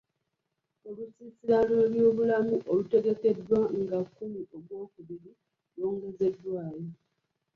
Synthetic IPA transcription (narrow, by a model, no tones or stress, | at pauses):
olusisilaleljo̞ːβulamuʔolute̞ɡe̞ke̞dːwaŋɡakːumioβwo̞ːkuβiɾi | lo̞ːŋɡe̞ze̞dːwaːjo̞